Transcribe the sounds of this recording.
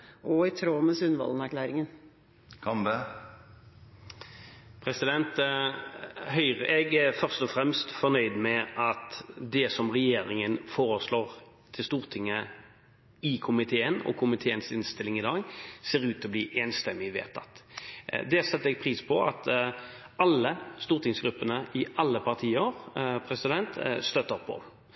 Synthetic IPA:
ʔɔɪt̪ʰɾoːməsʉnʋɑ̰lnæɾklæːɾɪŋən | kʰɑmbə | pʰʁɛsɪd̪ɛnt̪ | hœʏʁəɛɡæfœʁst̪ɔfʁɛmst̪fɔnœʏd̪mɛʔɑt̪d̪ɛsɔmʁɛjeːɾɪŋənfoːʁəsloːʁ | t̪ʰɪlst̪uːʁt̪ʰɪŋːə | ɪkʰʊmɪt̪ʰeːənɔ̰kʰʊmɪt̪ʰeːənsɪnst̪ɪlɪŋɪd̪ɑːɡseːɾʉːt̪ɔbliːʔɛnst̪ɛmːɪʋḛːt̪ʰɑ̰t̪ | d̪ɛsɛt̪ːəɛɡ̚pʰʁiːspʰɔɑt̪ | ɑlːəst̪uːʁt̪ʰɪŋsɡɾʉpːənəʔɪʔɑlːəpɑʁt̪ʰiːəɾpʰɾɛsɪd̪ɛnt̪st̪œt̪ːəpʰːɔ̰

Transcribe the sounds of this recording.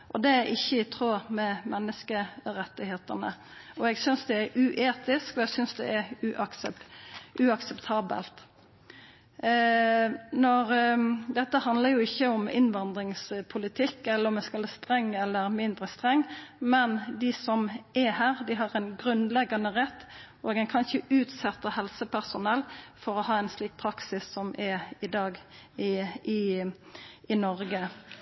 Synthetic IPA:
ʔɔd̪ɛæɾʔɪçːəɪt̪ʰɾoːmɛmɛnːəskəɾɛt̪ːɪheːt̪ənə̰ɔɛɡsʏnsd̪ɛæɾʉʔeːt̪ɪskɔɛɡsʏnsd̪ɛ̰ʔæɾʉʔɑksəʔʉɑksɛpt̪ʰɑːbə̰lt̪ | nɔɾd̪ɛt̪ːəhɑnd̪ləɾjʊɪçːəʊmɪ̰nʋɑnd̪ɾɪŋspʰʊlɪt̪ʰɪkːɛlːəɾɔmɛskɑləst̪ɾɛŋːɛlːəɾmɪnd̪ʁəst̪ʁɛŋːmɛnd̪ɪsɔmɛhæːʁd̪ɪɦɑʁɛnɡɾʉnlɛɡːɑnəʁɛt̪ːʔoːɡɛnkʰɑnçəʉːt̪sɛt̪ːəhɛlsəpʰæʁsʊnɛlfɔɾɔhɑːɛnsliːk̚pʰɾɑksɪsːɔmʔɛɾɪd̪ɑːɡɪɪ | ʔɪnɔɾɡə

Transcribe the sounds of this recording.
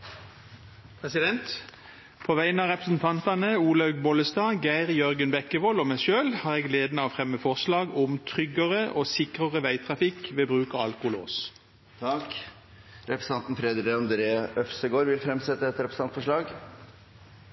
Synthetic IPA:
pʰʁɛsɪd̪ɛnt̪ | pʰoːʋæɪənɑːʁɛpʁəsn̩t̪ʰɑnt̪ɑnəuːlɑʉɡbɔləst̪ɑːɡæɪʁjœʁɡənbɛkəʋɔloːmæɪʃøːlhɑːʁeːɡleːd̪nɑːʋfʁɛmːəfɔʁslɑːɡʊmt̪ʰʁʏɡəʁəʔoːsɪkʁəʁəʋæɪt̪ʰʁɑfɪkʋeːbʁʉːkɑːɑlkʊlo̰ːs | t̪ʰɑk | ɾɛpɾəsɑnt̪n̩fɾed̪ɾɪɔmd̪ɾeœfsəɡoːɾʋɪfɾɛmsɛt̪ːəɛt̪ɾɛpɾəsɑnt̪fɔʂɭɑːɡ

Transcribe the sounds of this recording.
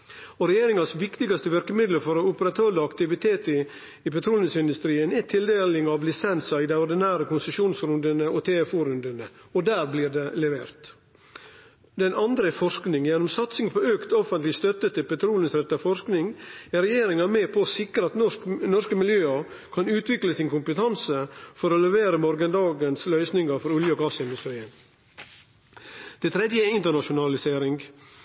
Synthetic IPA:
ɔɾɛjeːɾɪŋɑsʋɪkt̪ɪɡɑst̪əʋɪɾkəmɪd̪ləɾfɔɾɔʊpəɾɑt̪ʰøːləɑkt̪ɪʋɪt̪ʰeːt̪ | ɪpɛt̪ʰɾuːlənsɪnd̪ʉst̪ɾiːənɛt̪ʰɪld̪eːlɪŋɑʋlɪsɛnsɑɪd̪ɛɔɾd̪ɪnæːɾəkʰʊnsəʂuːnsɾʉnd̪ənəɔt̪ʰeːfuːɾʉnd̪ənəɔd̪æːɾbliːɾd̪ɛlɛʋeːɾt̪ | d̪ɛnɑnd̪ɾəfɔʂknɪŋjɛnːɔmsɑt̪sɪŋpʰɔøːkt̪ɔfənt̪lɪst̪œt̪ːət̪ʰɪpɛt̪ʰɾuːləsɾɛt̪ːɑfɔʂknɪŋæɾɛjeːɾɪŋɑmeːpʰɔsɪkɾəɑt̪nɔnɔʂkəmɪljøːɑɾ | kʰɑnʉːt̪ʰʋɪkləsɪnkʊmpət̪ʰɑnsəfɔɾɔlɛʋeːɾəmɔɾɡənd̪ɑːɡənslœʏsnɪŋɑɾfɔɾʉljəɔɡɑːsəɪnd̪ʉst̪ɾiːən | d̪̥ɛt̪ʰɾɛd̪jəɪnt̪əɳɑʃʊnɑlɪseːɾɪŋɡ

